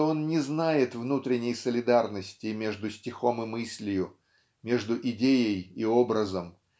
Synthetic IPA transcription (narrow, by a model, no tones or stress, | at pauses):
o̞nnʲɪznajɪt̪vnut̪ɾʲɪnʲːəjsəlʲɪd̪arnəsʲtʲɪmʲe̞ʐd̪ʊsʲtʲɪxo̞mɪmɨsʲlʲɪjʊ | mʲe̞ʐd̪ʊʔɪdʲejəjɪo̞bɾəzəm